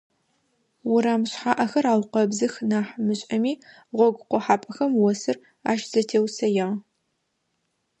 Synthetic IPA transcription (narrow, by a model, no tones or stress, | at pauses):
wʊɾaːmɕħaːʔɐxɐɾaːwqɐbzɨxnaːħmɨɕʼɐmiː | ʁʷɔɡʷʊqʷɔħaːpʼɐxɐmwɔsɨr | a̰ːʃz̥ɐtʰeːwsɐjɪʁ